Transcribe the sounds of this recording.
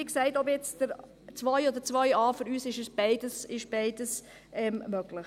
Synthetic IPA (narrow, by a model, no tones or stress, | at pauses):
ɪksɛɪtɔpjɛt͡sd̥əɾ | t͡sʋɔʏjɔd̪ət͡sʋœjɑːfʏɾyːsɪʃəsb̥ɛɪdəsɪʃb̥ɛɪdəs | ɛmmøɡlɪχ